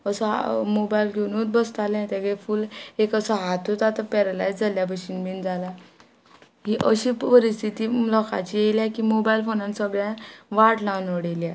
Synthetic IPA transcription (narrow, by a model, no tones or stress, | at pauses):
əsɔmobajilkinuːt̪̚bəst̪alɛ̃t̪aɡefuːlekəsɔɦat̪ʰut̪at̪apɛɾəlajd͡zd͡zaljabəɕiːnbind͡zala | ɦiʔəɕipəɾist̪ʰit̪iːlɔka̰t͡ɕijeljakimobailfonãnsəɡɭjãʋaʈlãnəɽelia